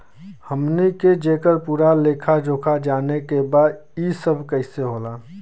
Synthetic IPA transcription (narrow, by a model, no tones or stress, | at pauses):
həmniked͡ʒeːkəɾpuːɾaleːkʰad͡ʒoːkʰad͡ʒaːnekebaːd̪isəbʱkəɪseɦoːlaː